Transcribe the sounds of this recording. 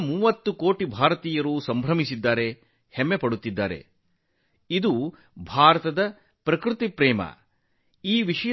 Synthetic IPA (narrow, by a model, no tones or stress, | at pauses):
muːʋɐt̪ːukoːʈibʱaːɾɐt̪iːjɐɾuːsɐmbʱɾɐmisid̪ːaːɾe̞ | hɛmːepɐɽut̪ːid̪ːa̰ːɾḛ | id̪u | bʱaːɾɐt̪ɐd̪ɐ | pɾɐkɾut̪ipɾɛːmɐ̰ | iːʋiʂɐj